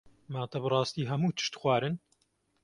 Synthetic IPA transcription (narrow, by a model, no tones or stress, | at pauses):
maːt̪ɐbɨrˤɑːst̪iːɦɐmuːt̪ʰɨ̥ʃt̪xʷwaːɾɨn